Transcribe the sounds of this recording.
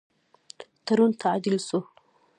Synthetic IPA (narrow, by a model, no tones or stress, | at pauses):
t̪aɾunt̪ʰaʕd̪ilsu